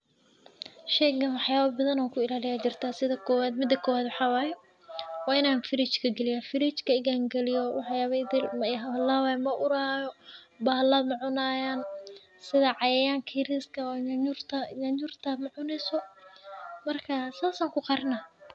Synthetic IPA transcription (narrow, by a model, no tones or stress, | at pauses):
ʃɛːɡɐnwɑħjaːβɐbɐðɐnɔːkʰʊɪlaːlɪjaːt͡ʃɪrt̪ʰaːsɪðɐkʰɔːwaːd̪mɪd̪ːɐkʰɔːwaːd̪wɑħɑːwaːjɛ | waːɪnaːnfɪɾɪt͡ʃkʰɐɡɛlɪjaːfɪɾɪt͡ʃkʰɐɪɣaːŋɡɛlɪjɔwɑħjaːβɛjd̪ɪlmɐɦɐlaːwaːjmɐʔʊɾaːjɔ | baːlaːmɑʕʊnaːjaːn | sɪðɐʕɑjɛːjaːŋkʰiɾiskʰɐwɲɲʊrt̪ʰɐjɐɲʊrt̪ʰɐmʊʕʊnɛsɔ | mɐrkʰɐsaːsaːŋkʰʊqɑɾnɐ